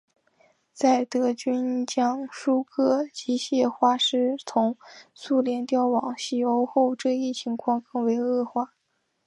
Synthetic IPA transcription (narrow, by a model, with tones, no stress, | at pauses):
t͡sa˥˩ɪt̪ɤ˧˥t͡ɕy˥nt͡ɕjɑ˥ŋʂu˥kʰɤ˥t͡ɕi˧˥ɕjɛ˥˩xwa˥ʂɻ̩˥t͡sʰʊ˧˥ŋsu˥˩ljɛ˧˥nt̪jɑ˥˩ʊwɑ˨˩ŋɕi˥˩jo˧˥ʊxo˥˧ʊʈ͡ʂɤ˥˧i˥˩t͡ɕʰi˧˥ŋkʰwɑ˥˧ŋkɤ˥˩ŋwe˧˥ɪɤ˥˧xwa˥˩